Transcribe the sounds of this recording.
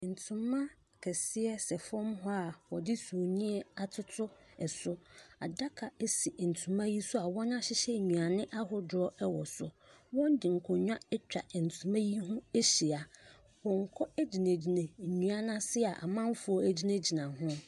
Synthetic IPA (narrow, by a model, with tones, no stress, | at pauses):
n̩˨tʰʊ̃˨mːã˦ | kʰɛ˨sɪ˦ɛ˦sɛ˨fɔ̃˦mɦʊ˦a˨wɔ˨dɪ˦su˨nĩ˦ɛ˦a˨tʰʊ˦tʰʊ˦ɛ˨sʊ˦a̰˨da˦kʰa˨ɛ˦si˨n̩˨tʰũ˨mã˦ji˦sʊ˦a˨wɔ̃˦nã˦ɕɪ˦ɕɛ˦˨ɲũ˨a˨nɪ̃˦ʔa˦ɦʊ˦dɔ˦ʔɛ˦wɔ˨sʊ˨ | wɔ̃˦n˦dɪ˨ŋ̩˨kʰɔ̃˨ɲᶣ˦ã˦ɛ˦t͡ɕᶣa̰˨n̩˨tʰũ˨mã˦ji˦ɦʊ̃˦e˦ɕi˨a˨ | wɔ̃˨ŋ̩˨kʰɔ˦æ˦d͡ʑi˨nẽ˨d͡ʑi˨nẽ˨ɲũ˨a˦nã˦sɪ˦a˨ʔa̰˨mã˦m˦fʊ˨˦ɔ˦æ˨d͡ʑi˦nã˦d͡ʑi˨nã˨ɦʊ̃˦